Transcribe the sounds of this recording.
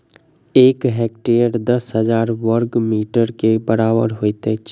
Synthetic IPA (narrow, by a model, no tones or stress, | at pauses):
eːkɦɛːk̚ʈeːəɾd̪ɐsɦəzaːɾʋəɾɡmiːʈəɾkebəɾaːbə̰ɾɦoːit̪e